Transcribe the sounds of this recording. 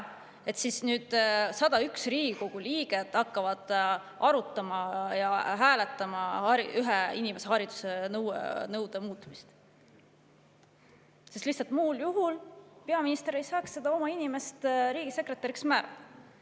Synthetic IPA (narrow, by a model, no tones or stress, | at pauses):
e̞t̪sisnyːd̪̥sɑd̪̥ɑyksriːɡ̥iko̞ɡ̥uliːɡ̥e̞d̪̥ɑkːɑvɑd̪̥ | ʔɑɾut̪ːˑɑmɑjɑɦæːlet̪ːˑɑmɑhɑɾiyɦeinime̞sehɑɾid̪̥u̥senɤwḛnɤwd̪̥emuːt̪ːˑmist̪ | sest̪ihtsɑlt̪muːljuɦulpe̞ɑminist̪e̞ɾe̞jsɑːkssed̪̥ɑo̞mɑinime̞st̪ɾiːɡ̥ise̞kre̞t̪ːɑɾiksmæːɾɑ̥ɑ